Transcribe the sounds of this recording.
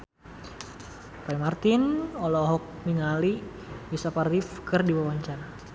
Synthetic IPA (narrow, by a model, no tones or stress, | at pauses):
paimart̪ɪnɔlɔɦɔk̚miŋali | bisaparifkɨrdiwawaɲt͡ʃaɾa